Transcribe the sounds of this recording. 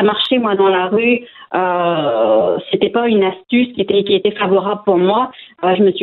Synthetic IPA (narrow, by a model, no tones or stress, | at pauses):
amaʁʃemwad̪ɑ̃laʁyø | set̪ɛpaynast̪yskʲiet̪ɛkʲiet̪ɛfavɔʁabləpuʁmwaøʒəməs